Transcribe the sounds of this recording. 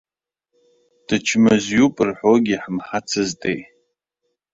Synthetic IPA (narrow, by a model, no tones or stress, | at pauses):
d̥ɨt͡ʃʰmɨzjupʼɨrħʷoɡʲiħmħat͡sʰɨztʼej